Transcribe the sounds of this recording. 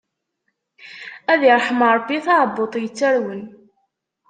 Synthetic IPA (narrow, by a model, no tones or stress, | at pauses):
æðiɾˤħəmɾˤbːiθɑʕbːot̪ˤjət͡sːæɾwən